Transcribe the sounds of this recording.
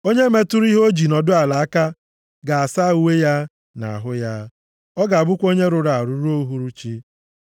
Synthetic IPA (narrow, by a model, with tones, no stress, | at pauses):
o˦ɲe˦me˦tʊ˦ɾi˦ɦo˦d͡ʒi˨nɔ˨dʊ˦a˨la˨a˦ka˦ | ɡa˨a˨sa˦˨u˦we˦ja˦ | na̰˨a̰˨ɦʊ˦ja˦ | ɔ˦ɡa˨a˨bʊ˦kʷo˦ɲe˦ɾʊ˨ɾa˨a˨ɾu˨ɾu˦o˦ɦu˦ɾu˦t͡ʃi˦